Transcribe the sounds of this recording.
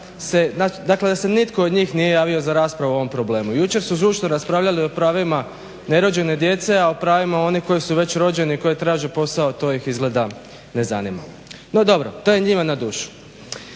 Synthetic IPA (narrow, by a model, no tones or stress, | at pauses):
senad̪akle̞d̪ase̞nit̪ko̞ːd̪ɲiːxnije̞jaːʋio̞zaɾaːspɾaʋuo̞ʋo̞mpɾo̞ble̞ːmujut͡ʃe̞ɾsuzuːʃnoɾaspɾaːʋʎalio̞pɾaːʋima | ne̞ɾo̞d͡ʑe̞ne̞d̪je̞t̪se̞aopɾaːʋimao̞niko̞jisuʋe̞t͡ɕɾo̞d͡ʑe̞niko̞jit̪ɾaːʒepo̞sao̞t̪o̞ːjixizɡle̞d̪a | ne̞za̰nima̰ | no̞d̪o̞bɾo̞t̪o̞je̞ɲimanad̪uːʃu̥